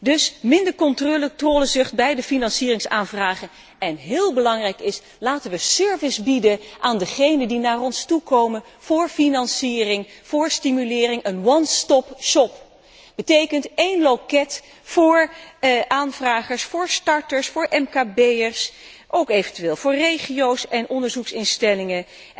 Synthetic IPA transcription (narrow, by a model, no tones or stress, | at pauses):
dɵsmɪndəɹkɔntroːlətroːləzɵχt̚bɛjdəfinɑnsiːrɪŋsaːnvraːχən | ɛnɦɪːlˠbəlɑŋrɛjkɪs | laːtənʋəsøɹvɪzbidənʔaːndəχejnəndinaːrɔnstukowmən | v̥ʊːɹfinɑnsiːrɪŋv̥ʊːɹstimylɪːrɪŋənwɑnstɔpʃɔp | b̥ətejkəntejnlokɛt | fʊːɹʔaːnvraːχəɹsfʊːɹstɑɹtəɹsfʊːɹʔɛmkaːbejəɹs | ʔowkejvəntyʋeːlˠvʊːɹrejχiowsɛnʔɔndəɹzuksɪnstɛlɪŋə